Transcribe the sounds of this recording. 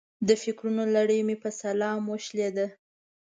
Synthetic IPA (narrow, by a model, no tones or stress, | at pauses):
d̪əfɪkɾunolaɽəjmepəsalɑmwəʃled̪ə